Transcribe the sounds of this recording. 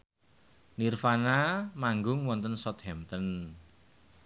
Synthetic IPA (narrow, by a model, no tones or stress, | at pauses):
nirfanamaŋɡʊŋwɔnt̪ənsɔt̪hɛmt̪ən